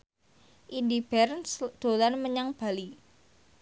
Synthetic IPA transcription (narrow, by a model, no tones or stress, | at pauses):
ʔidib̥ɛrnsd̪̥o̤lanməɲaŋb̥a̤li